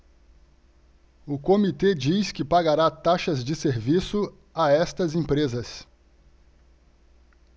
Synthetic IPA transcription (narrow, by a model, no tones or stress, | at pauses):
ʊkomit̪ed͡ʒiskɪpaɡaɾat̪aʃɐzd͡ʒɪseɾvisʊ | aɛst̪ɐzẽpɾezɐs